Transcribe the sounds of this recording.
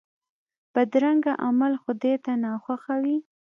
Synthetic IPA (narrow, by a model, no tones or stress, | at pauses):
bəd̪ɾaŋɡaʔamalxʊd̪et̪anɑxwaxawi